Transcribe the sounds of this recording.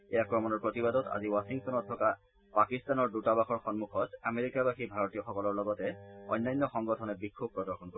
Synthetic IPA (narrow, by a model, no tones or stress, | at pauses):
ejakɹɔmɔnɔɹpɹotibadɔta̰ziwasiŋtɔnɔtʰːɔka | pakistanɔɹdutabaxɔɹxɔnmuxʰɔtameɹikabaxibʱaɹɔtijɔxɔkɔlɔɹlɔɡɔtɛɔ̰jnːajnːɔxɔŋɡɔtʰɔnɛbikʰːub̚pːɹɔdɔɹxɔnko